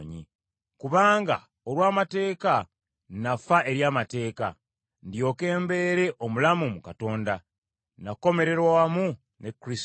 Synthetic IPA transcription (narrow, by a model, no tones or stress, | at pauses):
ɲḭ | kuβaːŋɡa̰ | o̞lwaːmate̞ːka | nafaʔe̞ɾjaːmate̞ːka̰ | ndjo̞ːke̞ːmbe̞ɾe̞ʔo̞mulamumukato̞ːnda | nako̞me̞ɾe̞ɾwamu | ne̞kɾis